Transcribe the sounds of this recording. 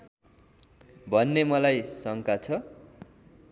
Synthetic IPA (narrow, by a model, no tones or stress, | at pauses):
bʱʌnːemʌlajsʌŋkat͡sʰʌ